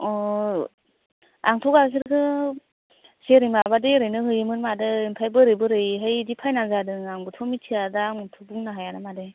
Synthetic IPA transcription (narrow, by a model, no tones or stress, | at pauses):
ɔ | a̰ŋtʰɔkas̬ɯɾkʰɯ | seɾɯjmabadɯɾɯjnɯɦɯjɯmɯnmadɯinpʰajbɯɾɯjbɯɾɯjɦɯjdipʰajnazadɯŋaŋbɯtʰɔmitʰiadaŋutʰɔbuŋnaɦajanamadɯj